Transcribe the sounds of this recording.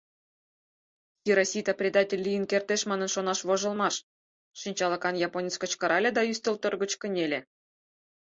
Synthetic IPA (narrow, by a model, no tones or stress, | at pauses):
xʲiɾɑsʲit̪ɑprʲed̪ɑtʲelʲːijənkert̪eʃmɑnɤ̆nʃonɑʃβoʒɤ̆lˠmɑʃ | ʃinʲt͡ɕɑlˠɤ̆kɑnjɑponʲit͡skə̆t͡ɕkɤ̆ɾʔɑlʲed̪ɑyst̪ə̆lt̪orɣə̆t͡ɕkə̆nʲelʲĕ